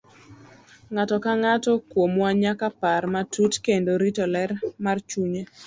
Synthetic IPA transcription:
ŋatɔkaŋatɔkwomwaɲakaparmatʰutkendoɾitɔlɛrmart͡ʃuɲe

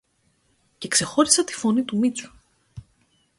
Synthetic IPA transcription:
ce̞kse̞xo̞ɾisɐt̪i̥fo̞nit̪umit͡su̥

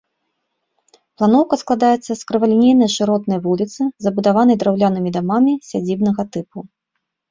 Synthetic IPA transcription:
plˠanɔwkɐsklˠad̪ajɛt̪sːɐskɾɨvalʲinʲejnɐjʂɨɾɔt̪nɐjvulʲit̪sɨzɐbud̪avan̪ɐjd̪ɾawlʲanɨmʲid̪amamʲisʲad͡zʲibn̪ɐɣɐt̪ɨpu

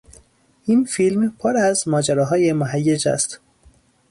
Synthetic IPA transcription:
ʔinfilmpʰoɾæzmɒːd͡ʒæɾɒːɦɒːjemoɦæjːed͡ʒæ̰st̪

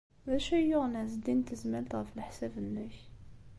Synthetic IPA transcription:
ðæʃæjʊʁnʕzd̪int̪əzmælt̪ʁəfəlħsæbənːəç

